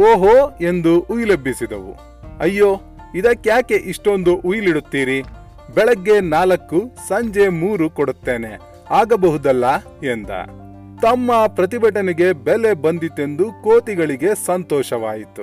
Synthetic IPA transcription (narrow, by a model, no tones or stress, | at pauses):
oːɦoe̞nd̪uʔujlɐbʱːisid̪ɐ̰ʋṵ | ɐjːoː | id̪ɐkːjaːke̞ʔiʂʈo̞nd̪uʔujliɽut̪ːiːɾi | bɛɭɐɡːe̞naːlɐkːusɐɲd͡ʒe̞muːɾukoɽut̪ːeːne | aːɡɐbɐɦud̪ɐlːɐ | end̪ɐ̰ | t̪ɐmːɐpɾɐt̪̬ibɐʈɐnɛɡe̞bɛle̞bɐnd̪it̪e̞nd̪ukoːt̪iɡɐɭiɡe̞sɐnt̪ɔːʃɐʋaːjit̪u